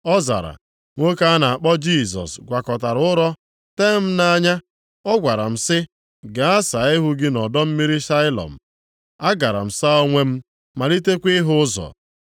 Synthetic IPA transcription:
ɔ˦za̰˨ɾa̰˨ | ŋʷo˦ka˦a˦na˨a˨k͡pɔ˦d͡ʒi˦˨s̬ɔ̰˨sɡʷa˨kɔ˨ta˨ɾʊ˦ɾɔ˦ | te˦m̩˦na˦ɲa˦ | ɔ˦ɡʷa˨ɾa̰˨m̩˦˨sɪ˦ | ɡa˨a˦sa˨˦ɪ˦ɦʊ˦ɡɪ˦nɔ˨dɔ˦m̩˦mi˦ɾi˦ʃa˦ɪ˦lɔ̰˨m̩˨ | a˦ɡa˨ɾa̰˨m̩˨sa˦o˦ŋʷe˦m̩˦ | ma˨li˦te˦kʷi˦ɦʊ˦zɔ̰˨

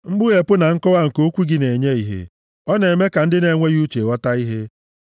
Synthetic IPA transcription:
ŋ͡m̩˦ɡ͡bʊ˦e˨pʊ˦na˨ŋ̩˦kɔ˦wa˦ŋ̩˨ko˦kʷu˦ɡɪ˦ne˨ɲe˦i˨ɦḛ˨ | ɔ˦ne˨me˦ka˨n̩˦dɪ˦ne˨ŋʷe˦ju˦t͡ʃe˨ɣɔ˦ta˦i˦ɦe˦

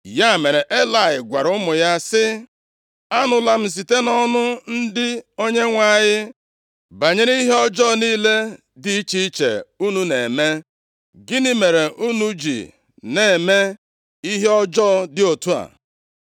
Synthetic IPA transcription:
ja˦˨me˨ɾe˨ʔe˦la˨ɪ˨ɡʷa˨ɾʊ˦mʊ˨ja˦sɪ˦ | a˦nʊ˨la˦m̩˦s̬i˨te˦nɔ˦nʊ˦n̩˦dɪ˦o˦ɲe˦ŋʷa˦˨ɲɪ˦ | ba˨ɲe˦ɾi˦ɦe˦ɔ˦d͡ʒɔː˦˨niː˦le˦ | dɪ˨i˦t͡ʃi˦i˦t͡ʃḛ˨u˦nu˦ne˨me˦ | ɡɪ˦ni˦me˨ɾe˨ʔu˦nu˦d͡ʒḭ˨ | ne˨me˦ | i˦ɦe˦ɔ˦d͡ʒɔː˦dɪ˦o˨tu˦a̰˨

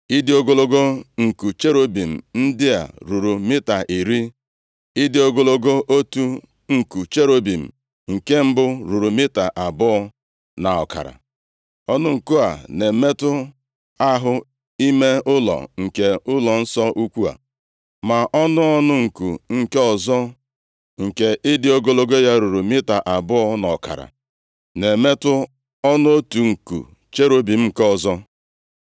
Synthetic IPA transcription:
i˦dɪ˦o˦ɡo˦lo˦ɡo˦ŋ̩˨ku˨t͡ʃe˦ɾo˦bi˨m̩˨n̩˦dɪ˦a̰˨ɾu˨ɾu˨mɪ˦ta˨ʔi˨ɾi˦ | i˦dɪ˦o˦ɡo˦lo˦ɡo˦ʔo˦tu˦ | ŋ̩˨ku˨t͡ʃe˦ɾo˦bi˨m̩˨ | ŋ̩˨ke˦m̩˦bʊ˦ɾu˨ɾu˨mɪ˦ta˨ʔa˨bʊ˦ | na˨ɔ̰˨ka̰˨ɾa̰˨ | ɔ˦nʊ˦ŋ̩˨ku˦a˨ne˨me˦tʊ˦ | a˦ɦʊ˦ | i˦me˦ʊ˦lɔ̰˨ŋ̩˨ke˨ʊ˦lɔ˨n̩˦sɔ˦ʔu˦kʷu˦a̰˨ | ma˨ʔɔ˦nʊ˦ɔ˦nʊ˦ŋ̩˨ku˨ŋ̩˨ke˦ɔ˨zɔ˦ | ŋ̩˨ke˨ʔɪ˦dɪ˦o˦ɡo˦lo˦ɡo˦ja˦ɾu˨ɾu˨mɪ˦ta˨ʔa˨bʊ˦ɔ˦nɔ˨ka̰˨ɾa̰˨ | ne˨me˦tʊ˦ | ɔ˦nʊ˦o˦tu˨ŋ̩˨kṵ˨ | t͡ʃe˦ɾo˦bi˨m̩˦˨kɔ˨zɔ˦

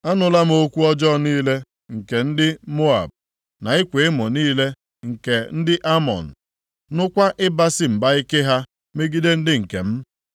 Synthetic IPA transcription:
a˦nʊ˨la˦m̩˦o˦kʷu˦ɔ˦d͡ʒɔ˦˨niː˦le˦ | ŋ̩˨ke˨n̩˦dɪ˦mo˦a̰˨b̚ | na˨ɪ˦kʷe˨ɪ˦mɔ˨niː˦le˦ | ŋ̩˨ke˨n̩˦dɪ˦ʔa˦mɔ̰˨n̩˨ | nʊ˦kʷa˦ʔɪ˦ba˦sɪ˦m̩˨ba˦i˦ke˦ɦa˦ | me˦ɡi˦de˦n̩˦dɪ˦ŋ̩˨kḛ˨m̩˦

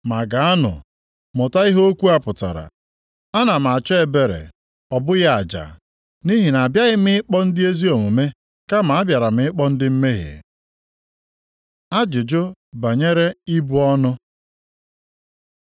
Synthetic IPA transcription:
ma˨ɡa˨a˦nʊ̰˨ | mʊ˨ta˦i˦ɦo˦kʷu˦a˦pʊ˨ta̰˨ɾa̰˨ | a˦na˨m˨a˨t͡ʃɔ˦e˨be˨ɾḛ˨ | ɔ˨bʊ˦ɣa˦a˨d͡ʒa̰˨ | ni˦ɦi˨na˨bja˦ɣɪ˦mɪ˦ɪ˦k͡pɔ˦n̩˦dɪ˦e˦zi˦o˨mu˨me˦ | ka˦ma˨a˦bja˨ɾa˨mɪ˦ɪ˦k͡pɔ˦n̩˦dɪ˦m̩˦me˦ɦḛ˨ | a˦d͡ʒɪ˨d͡ʒo˦ba˨ɲe˦ɾe˦i˦bu˦ɔ˦nʊ˦

